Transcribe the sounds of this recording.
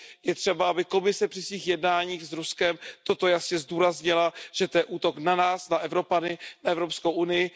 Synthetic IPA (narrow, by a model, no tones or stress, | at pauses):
jɛt̪r̝̥ɛbaabɪko̞mɪsɛpr̥ɪsviːxjɛdnaːɲiːxzɾuskɛmt̪o̞t̪o̞jasɲɛzduːɾazɲɪlaʒ̥ɛt̪ojɛʔuːt̪o̞knanaːsnaʔɛvɾo̞panɪnaɛvɾo̞pskowʔunɪjɪ